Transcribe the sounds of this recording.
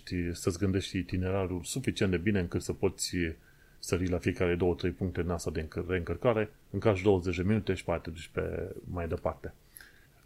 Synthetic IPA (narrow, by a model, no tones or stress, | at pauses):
t̪ʲsəsʲɡɨnd̪e̞ʃt̪ʲt̪ine̞ɾaɾulsufit͡ʃient̪d̪e̞bine̞ɨŋkɨt̪səpo̞t̪sʲ | st̪əɾilafie̞kaɾed̪o̞wət̪ɾe̞jpuŋk̚t̪ed̪inast̪ad̪ere̞ɨŋkərkaɾe̞ | ɨŋkaʒd̪o̞wəze̞t͡ʃd̪e̞minut̪e̞ʃi̥pat̪ud̪uʃʲpe̞̰majd̪e̞part̪e̞